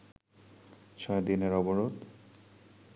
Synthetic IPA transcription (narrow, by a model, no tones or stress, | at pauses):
t͡ɕɔed̪ineɾɔboɾod̪